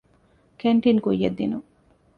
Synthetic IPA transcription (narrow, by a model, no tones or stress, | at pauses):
keɳʈinkujːɐd̪ːḭnu